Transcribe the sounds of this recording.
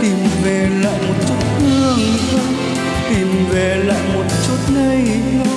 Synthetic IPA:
t̪i˨˩mve˨˩la̰ː˧˨jmo˨˩t̚t͡ɕu˦˥t̚mɨ˧əŋkə˧˦ | t̪i˨˩mve˨˩la̰ː˧˨jmo˨˩t̚t͡ɕu˦˥t̚na˧j

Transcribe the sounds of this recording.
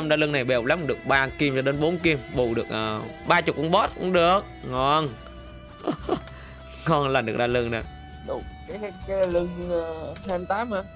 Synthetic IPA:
mɗaː˧lɨ˧ŋna˨˩jɓe˨˩hk͡p̚la˨˦m̚˨˩ɗɨ˨˩ək̚ɓaː˧ki˧mt͡ɕɔ˧ɗe˨˦nɓo˨˦nki˧mɓu˧˩ɗɨ˨˩ək̚ʔəː˨˩ɓaː˧t͡ɕʊ˨˩k͡p̚ʔu˧ŋ͡mɓɔ˦˥t̚kʊ̰˧˥ŋ͡mɗɨ˨˩ək̚ŋɔ˨˧˩n | ŋɔ˨˧˩nlaː˨˩mɗɨ˨˩ək̚ɗaː˧lɨ˧ŋna˨˩ | ɗʊ˧˩kaː˨˦jkːlɨ˧ŋ˧hɛ˧˩mt̪aː˨˦maː˧

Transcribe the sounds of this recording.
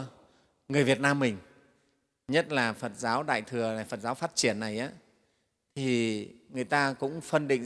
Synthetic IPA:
ŋɨ˨˩əjvi˨˩ət̚naː˧mːï˨˩ŋ̟ | ɲə˦˥t̚laː˨˩fə˨˩t̚zaː˨˦wɗa̰ː˧˨jt̪ʰɨ˨˩əlaː˨˩fə˨˩t̚zaː˨˦wfaː˦˥t̚t͡ɕi˧˩ənːa˨˩jʔaː˨˦ | t̪ʰi˨˩ŋɨ˨˩əjt̪aː˧kʊ̰˧˥ŋ͡mfə˧nɗḭ̈˧˨ŋ

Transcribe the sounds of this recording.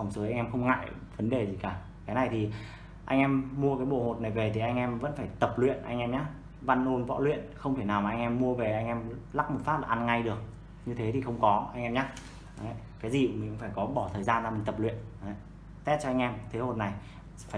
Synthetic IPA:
fa˨˩wŋ͡mso˨˦ʔa˧jŋʔɛ˧mxə˧wŋ͡mŋa̰ː˧˨jvə˨˦nɗe˨˩zi˨˩kaː˧˩ | kaː˨˦jna˨˩jt̪ʰi˨˩ | ʔa̰˧jŋ̟ʔɛ˧mːu˧əkaː˨˦jɓo̰˧˨ho˨˩t̚na˨˩jve˨˩t̪ʰi˨˩ʔa˧jŋ̟ʔɛ˧mvə̰˧˥nfaː˧˩jt̪ə˨˩p̚lwḭ˧˨ənʔa̰˧jŋ̟ʔɛ˧mɲaː˦˥ | va˧nʔo˧nvɔ̰˧˥lwḭ˧˨ənxə˧wŋ͡mt̪ʰe˧˩naː˨˩wmaː˨˩ʔa˧ŋʔɛ˧mːu˧əve˨˩ʔa˧jŋ̟ʔɛ˧mla˦˥k̚mo˨˩t̚faː˦˥p̚laː˨˩ʔa˧nŋa˧jɗɨ˨˩ək̚ | ɲɨ˧t̪ʰe˨˦t̪ʰi˨˩xə˧wŋ͡mkɔ˨˦ʔa˧jŋ̟ʔɛ˧mɲa˦˥ | a˨˦ | kaː˨˦jzi˨˩˨mï˨˩ŋ̟xə˧ŋ͡mfaː˧˩jkɔ˨˦ɓɔ˧˩t̪ʰəː˨˩jzaː˧nza˧˩mï˨˩ŋ̟t̪ə˨˩p̚lwḭ˧˨əna˨˦ | t̪ɛ˦˥t̚t͡ɕɔ˧a˧jŋ̟ʔɛ˧mt̪ʰe˨˦ɦo˨˩t̚na˨˩j | faː˧˨

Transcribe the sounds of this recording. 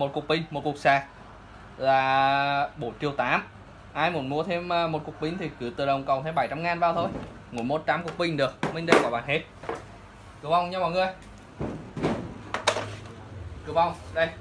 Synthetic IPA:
mo˨˩t̚ku˨˩ək̚ɓi˧˩ŋ̟mo˨˩t̚ku˨˩ək̚saː˧˩ | laː˨˩ɓo˧˦nt͡ɕi˧˩əwt̪aː˨˦m | ʔaː˧jmu˨˦ənmu˨˦ət̪ʰe˧mː˧mo˨˩ku˨˩ək̚ɓï˧ŋ̟t̪ʰi˨˩kɨ˧˩˦t̪ɨ̰˨˩ɗə˨˩wŋ͡mkə˨˩wt̪ʰe˧ɓa˧˩jt͡ɕa˧mŋaː˨nvaː˧˩t̪ʰo˧j | ŋṵ˧˩˦jmo˧˦t̚t͡ɕaː˨˦mku˨˩ək̚ɓï˧ŋ̟ɗɨ˨˩ək̚mï˧ŋ̟ɗə˧jkɔ˧˦ɓaː˧˨nhe˦˥t̚ | kɨ˧˩əva˧˩wŋ͡mɲa˧maː˨˩ŋɨ˨˩əj | kɨ˧˦əwva˧˩wŋ͡mɗə˧j

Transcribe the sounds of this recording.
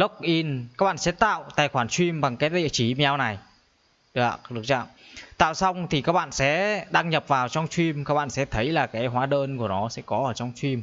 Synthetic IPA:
lə˦˥k̚ʔi˧na˦k̚ɓa̰ː˧˨nsɛ̰˧˥t̪a̰ː˧˨wt̪a̰ː˧˨˩jxwaː˧˩nt͡ɕwi˧mɓa˨˩ŋkaː˨˦jɗḭ˧˨t͡ɕi˨˩m˧ɲa˧wna˨˩j | ɗɗɨ˨˩ək̚t͡ɕa̰ː˧˨mt̪a̰ː˧˨wsa˧wŋ͡mt̪ʰi˨˩kaː˦˥k̚ɓa̰ː˧˨nsɛ̰˧˥ɗaː˧ŋɲə˨˩p̚vaː˨˩wt͡ɕɔ˧wŋ͡mt͡ɕwi˧mkaː˦˥k̚ɓa̰ː˧˨nsɛ̰˧˥t̪ʰə˨˦jlaː˨˩kaː˨˦jɦwaː˨˦ɗəː˧nku˧˩ənɔ˨˦sɛ̰˧˥kɔ˨˦ʔəː˧˩t͡ɕɔ˧wŋ͡mt͡ɕwi˧m

